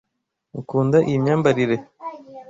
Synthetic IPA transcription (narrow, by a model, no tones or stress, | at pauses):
ŋkuːndaʔijimɲaːmbaɾiɾe̞